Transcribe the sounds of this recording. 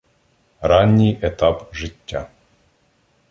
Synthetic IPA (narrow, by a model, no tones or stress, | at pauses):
ɾɑnʲːijɛt̪ɑpʒɪtʲːa̰